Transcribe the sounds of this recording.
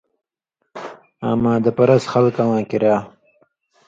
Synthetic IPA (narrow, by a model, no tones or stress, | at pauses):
a̰mãːd̪əpaɾasxalkawãːkiɾaː